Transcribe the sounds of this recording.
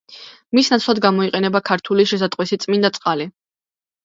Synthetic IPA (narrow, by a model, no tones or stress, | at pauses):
misnat̪sʰlˠad̪ɡamɔiqʼɛnɛbakʰaɾt̪ʰuliʃɛsat̪ʼqʼwisit̪sʼmind̪at̪sʼqʼali